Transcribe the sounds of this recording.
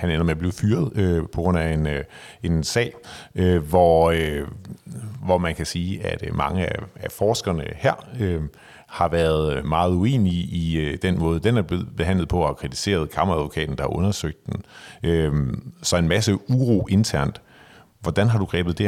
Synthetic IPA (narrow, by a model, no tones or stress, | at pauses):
hænenɐmeɐb̥le̝ʊfyːɐð̞ˠøpʰɒ̽ɡ̥ʁɔ̽n̰æe̝n | e̝nsɛ̰ː | ʋɒø | ʋɒmænkʰæsiːæd̥mɑ̈ŋəææfɒːsɡ̥ɐnəhæɐ̰ø | hɑ̈ʋæːɐðˠmɑ̈ːð̞̩ˠue̝̰ːniid̥enmɔ̽ːð̞ˠəd̥enæɐbeb̥e̝ɦæn̰lð̩ˠpʰɒ̽hɑ̈kʰʁit͡sʰi̥se̝̰ːɐð̞ˠkʰɑ̈mɐæðˠʋo̝kʰɛ̰ːd̥n̩d̥ɑ̈hɑ̈ʔɔ̽nɐsøɡ̥̚d̥ːenøsɒ̽e̝nmæsəuʁo̝̰ːʔe̝nt͡sʰæɐ̰nd̥ | ʋɒd̥ænɦɑ̈d̥uɡ̥ʁɛːb̥ð̞̩ˠd̥e